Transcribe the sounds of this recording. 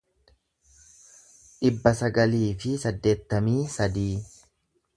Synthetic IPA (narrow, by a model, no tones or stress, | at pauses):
ᶑɪbːɐsɐɡɐliːfɪsɐd̪ːe̞ːt̪ːɐmiːsɐd̪iː